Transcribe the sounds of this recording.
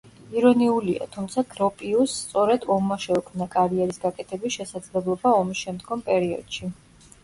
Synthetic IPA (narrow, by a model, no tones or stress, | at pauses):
iɾɔniulia̰t̪ʰumt̪sʰaɡɾɔpʼiusːt̪sʼɔɾɛd̪ɔmːaʃɛukʰmnakʼaɾiɛɾisɡakʼɛt̪ʰɛbisʃɛsad̪zlɛblˠɔbaɔmisʃɛmd̪ɡɔmpʼɛɾiɔ̰d̪̥ʃi